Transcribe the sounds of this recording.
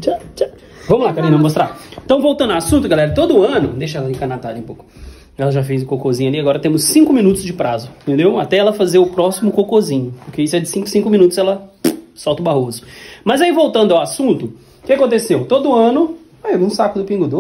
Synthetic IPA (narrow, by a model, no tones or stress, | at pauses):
t͡ʃat͡ʃa | vɐ̃mʊlakaɾĩnɐmost̪ɾa̰ẽt̪ɐ̃w̃vowˠt̪ɐ̃d̪ɐwasũnt̪ʊɡalɛɾɐt̪od̪ʊɐ̃nʊd̪ejʃɐɛlɐẽkɐnat̪ad̪ẽpokʊ | ɛlɐʒafejzʊkokozĩɲʊɐliaɡɔɾɐt̪ẽmʊsːĩŋkʊmĩnut̪ʊzd͡ʒɪpɾazʊĩt̪ẽnd̪ewat̪ɛɛlɐfazeɾʊpɾɔsimʊkokozĩɲʊpʊɾkeisʊɛd͡ʒɪsĩkʊ̥sĩkʊmĩnut̪ʊszɛlɐsɔwt̪ɐʊbaɦozʊmɐzaivowt̪ɐ̃nd̪ʊawasũnt̪ʊ | kɪakõnt̪esewt̪od̪ʊɐ̃nʊ | ajnũsakʊd̪ʊpĩŋɡʊd̪o